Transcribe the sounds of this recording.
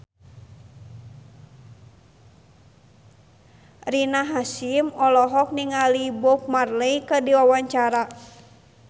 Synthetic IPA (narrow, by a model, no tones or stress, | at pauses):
rinaɦasimɔlɔɦɔk̚niŋalibɔk̚marleikədiwawaɲt͡ʃaɾa